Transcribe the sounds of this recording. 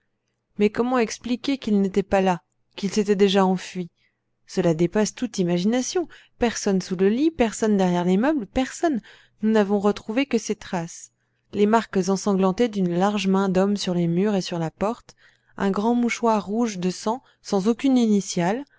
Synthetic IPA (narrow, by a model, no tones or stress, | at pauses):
mɛkɔmɑ̃ɛksplikʲekʲilnet̪ɛpala | kʲilset̪ɛd̪eʒaɑ̃fɥi | səlad̪epast̪ut̪imaʒinasjɔ̃ | pɛʁsɔnsuləlipɛʁsɔnd̪ɛʁjɛʁlimœblpɛʁsɔnː | unavɔ̃ʁət̪χuvekəset̪χas | lemaʁkzɑ̃sɑ̃ɡlɑ̃t̪ed̪ynlaʁʒmɛ̃d̪ɔmsyʁlemyʁesyʁlapɔʁt̪ | ɛ̃ɡʁɑ̃muʃwaʁːuʒd̪əsɑ̃ | sɑ̃zokʲyninisjal